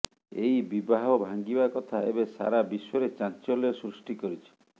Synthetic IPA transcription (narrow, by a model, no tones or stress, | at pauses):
ejbibaɦɔbʱaŋɡibakɔt̪ʰaebesa̰ɾabisɔɾet͡ʃant͡ʃɔlɔesɾusʈikɔɾit͡ʃʰi̥